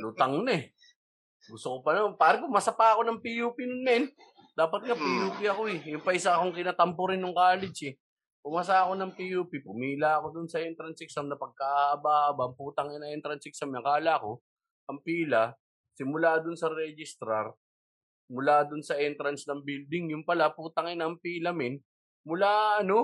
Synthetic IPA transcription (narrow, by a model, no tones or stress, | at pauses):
luːt̪ɐŋnɐɛ | ɡʊst̪okopɐnɐpaːɾɐpʊmasɐpaɐko̞nɐŋpijuːpinʊnmɛn | d̪aːpɐt̪̚ŋɐpijuːpiɐkoɛjʊmpɐʔɪsakoŋkɪnat̪ɐmpʊɾɪnːʊŋkaːlɪd͡ʒɛ | pʊmas̬aɐko̞nɐŋpijuːpipʊmiːlɐɐko̞d̪ʊnsɐʔɛnt̪ɾɐnsɪksɐmnɐpɐɡ̚kaʔaɐbahːbaʔɐŋpuːt̪ɐŋɛnɐŋʔɛnt̪ɾɐnsɪksɐmjɐŋkaːlako̞ | ʔɐŋpiːlɐ | sɪmʊlaːd̪ʊnsɐɾɛd͡ʒɪst̪ɾaɾ | mʊlaːd̪ʊnsɐʔɛnt̪ɾɐnsnɐŋbild̪ɪŋjʊnpɐlapuːt̪ɐŋɪnɐːŋpiːlɐmɪn | mʊlaɐno̞